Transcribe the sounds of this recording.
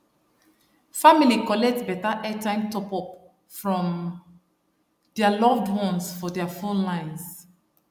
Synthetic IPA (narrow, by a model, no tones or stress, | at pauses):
familikɔlɛk̚tbɛtaʔɛtãɪ̃mtɔpɔp | fɹɔ̃m | d̥ɛalɔvdwɔ̃nsfɔdɛafõnlãɪ̃ns